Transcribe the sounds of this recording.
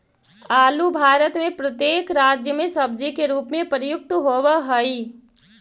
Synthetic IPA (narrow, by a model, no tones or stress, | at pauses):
aːlubʱaːɾət̪mẽpɾət̪jeːkɾaːd͡ʒjəmẽsɐb̚d͡ʒikeɾuːpmẽpɾjʊk̚t̪ɦoːwəɦəi